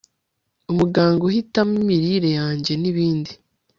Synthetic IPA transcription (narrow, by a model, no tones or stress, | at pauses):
umuɡaːŋɡohitamimiɾiɾe̞jaːɲɟe̞niβiːndi